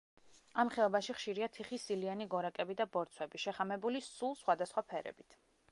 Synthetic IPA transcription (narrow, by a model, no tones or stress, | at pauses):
amχɛɔbaʃiχʃiɾiat̪ʰiχisilianiɡɔɾakʼɛbid̪abɔɾt̪sʰwɛbiʃɛχamɛbulisulˠsχwad̪asχwapʰɛɾɛ̰bit̪ʰ